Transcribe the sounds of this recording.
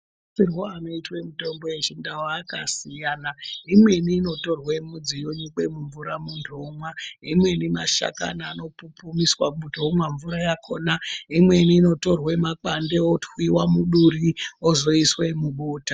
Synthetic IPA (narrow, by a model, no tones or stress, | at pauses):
sirwoano̞itwemito̞mbo̞et͡ʃindawaːkasijanaimwe̞niːno̞to̞rwemud͡zijoɲuke̞muɱvuɾamundʰʱomwaimwe̞nimaʃa̰ka̰naːno̞pupumiswamudʱomwaɱvuɾajakʰo̞naimwe̞niːno̞to̞rwemak͡pande̞otwiwamuɗuriozo̞iswemuɓoːta